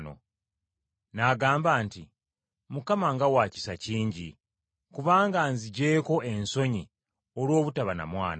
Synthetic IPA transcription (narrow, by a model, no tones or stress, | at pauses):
no̰ | naɡaːmbaːnti | mukamaŋɡawaːci̥saciːɲɟi | kuβaːŋɡanziɟeːko̞e̞nso̞ɲi | olwo̞ːβutaβana̰mwaːna